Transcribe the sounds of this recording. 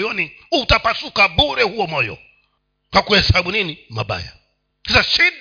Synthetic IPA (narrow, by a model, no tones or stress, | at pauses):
jɔni | utapasukaɓuɾɛhuɔmɔjɔ̰ | kwakuhɛsaɓuninima̰ɓa̰ja̰ | sasaʃiɗ